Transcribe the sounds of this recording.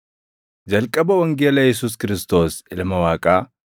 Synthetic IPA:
d͡ʒɐlkʼɐbɐwɐŋɡeːlɐjɛs̬uːs̬kɪɾɪst̪o̞ːsɪlmɐwaːkʼaː

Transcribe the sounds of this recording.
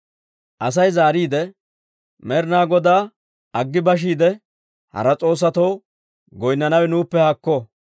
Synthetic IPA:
ʔɐs̬ɐjzaːɾiːd̪ɛ | mɛɾnaːɡɔd̪aː | ɐɡːɪbɐʃ̬iːd̪ɛ | hɐ̰ɾɐt͡sʼo̞ːs̬ːɐt̪ɔw | ɡɔjnːɐnɐwɛnuːpːɛhɐkːɔ

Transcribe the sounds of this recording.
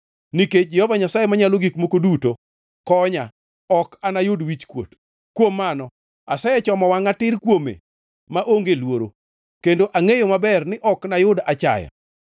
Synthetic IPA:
niked͡ʒɛhɔvaɲasajemaɲaloɡikmokoduto | kɔɲa | ɔkanajʊdwit͡ʃkwo̰t | kwomːanɔ | asajɛt͡ʃɔmɔwaŋatɪrkwomḛ | maʔoŋɡelwoɾo̰ | kendoʔaŋejomabɛrnɪʔɔknajʊdat͡ʃa̰ja̰

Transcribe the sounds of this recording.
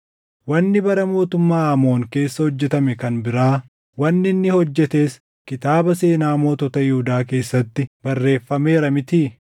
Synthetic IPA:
wɐnːɪbɐɾɐmo̞ːt̪ʊmːaːɐmo̞ːŋke̞ːsːɐhɔd͡ʒːɛt̪ɐmɛkɐnbɪɾaː | wɐnːɪnːɪhɔd͡ʒːɛt̪e̞ːs | kɪt̪aːbɐse̞ːnaːmo̞ːt̪ɔt̪ɐjɪhʊd̪aːke̞ːsːɐt̪ːɪbɐrːe̞ːfːɐme̞ːɾɐmɪt̪iː

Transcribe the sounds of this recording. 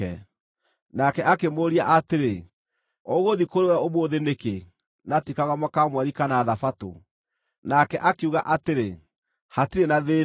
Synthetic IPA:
ɛ̰ | nakɛʔakemoɾiaʔateɾe | oɣoðikoɾewɛomoːðeneke | natikaɣamakamwɛɾikanaːðafato̰ | nakɛʔakeuɣaʔateɾe | hatiɾenaðe

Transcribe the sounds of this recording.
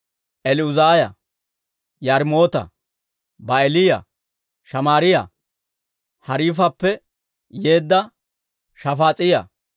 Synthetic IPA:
ʔɛlɪʊzaːjɐ̰ | jɐɾmo̞ːt̪ɐ̰ | bɐelɪjɐ̰ | ʃɐmaːɾɪjɐ̰ | hɐɾiːfɐpːɛ | je̞ːd̪ːɐ | ʃɐfaːt͡sʼɪjɐ̰

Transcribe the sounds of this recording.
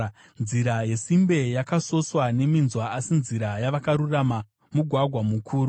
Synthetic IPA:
nziɾaje̞simbe̞jakaso̞swane̞minzwaasinziɾajaʋakaɾurama | muɡʱwaɡʱwamukʰuːɾu

